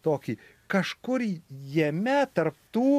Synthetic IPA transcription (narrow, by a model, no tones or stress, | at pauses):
t̪oːkʲiː | kɐʃkʊɾijɛmʲɛt̪ɐrpt̪uː